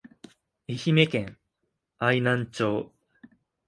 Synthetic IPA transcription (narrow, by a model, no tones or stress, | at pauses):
eçime̞kẽ̞ŋ | ainãɲt͡ɕoː